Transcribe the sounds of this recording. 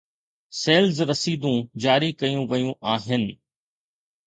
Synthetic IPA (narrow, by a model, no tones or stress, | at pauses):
seːlzɾɐsiːd̪ũd͡ʑaːɾikɐjũʋɐjũʔaːɦɪnɪ̆